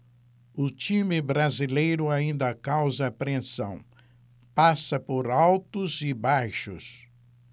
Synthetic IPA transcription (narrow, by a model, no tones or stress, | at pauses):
ʊt͡ʃĩmɪbɾazilejɾʊaĩnd̪ɐkawzɐpɾẽsɐ̰̃w̃ | pasɐpoɾawt̪ʊzɪbajʃʊ̰s